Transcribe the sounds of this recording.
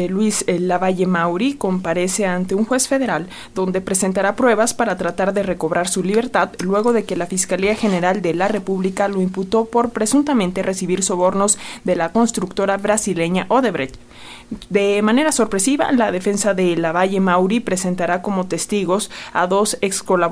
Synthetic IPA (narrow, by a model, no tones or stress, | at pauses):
lwizlaβaʝe̞mawɾiko̞mpaɾe̞se̞ant̪e̞uŋxwe̞sfe̞ð̞e̞ɾal | d̪o̞nd̪e̞pɾe̞se̞nt̪aɾapɾwe̞βaspaɾat̪ɾat̪aɾðe̞re̞ko̞βɾaɾsuliβe̞ɾt̪aðlwe̞ɣo̞ðe̞ke̞lafiskaliaxe̞ne̞ɾald̪e̞lare̞puβlikalo̞imput̪o̞po̞ɾpɾe̞sunt̪amẽnt̪e̞rʔe̞siβiɾso̞βo̞ɾno̞zðe̞lako̞nst̪ɾukt̪o̞ɾaβɾasile̞ɲaʔoðeβɾet̪ | d̪e̞mãne̞ɾaso̞ɾpɾe̞siβa̰laðe̞fe̞nsaðe̞laβaʝe̞mawɾipɾe̞se̞nt̪aɾako̞mo̞t̪e̞st̪iɣo̞sa̰ðo̞sekskola